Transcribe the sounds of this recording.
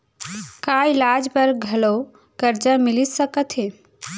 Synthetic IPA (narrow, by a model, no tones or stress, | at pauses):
kaːɪlaːd͡ʒpəɾɡʱɐlo | kəɾd͡ʒəmɪlisəkət̪ʰɦe